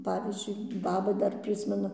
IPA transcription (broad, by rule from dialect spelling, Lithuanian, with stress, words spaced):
ˈpɑːʋʲiːzʲd͡ʒʲʊɪ ˈbɑːbɐ ˈdɐr ˈpʲrʲɪsʲmʲɛnʊ